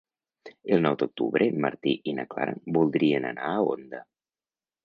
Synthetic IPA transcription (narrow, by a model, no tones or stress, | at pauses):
elˠnɔwd̪ok̚t̪ṵβɾʔemaɾt̪iʔinakla̰ɾa̰bulˠd̪ɾiəna̰naːo̰nd̪ə